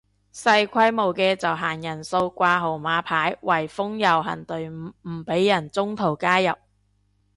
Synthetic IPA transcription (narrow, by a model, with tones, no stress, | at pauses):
sɐ˧jkʷʰɐ˥jmo˨˩wkɛː˧t͡sɐ˨wɦaː˨˩ŋjɐ˨˩nso˧wkʷaː˧ɦo˨˩wmaː˨˧pʰaː˨˥jwɐ˨˩jfʊ˥ŋjɐ˨˩wɦɐ̰˨˩nt̪ɵ˨ɥm˨m̩˨˩pe˨˥jːɐ˨˩nt͡sʊ˥ŋt̪ʰo˨˩wkaː˥jɐ˨p̚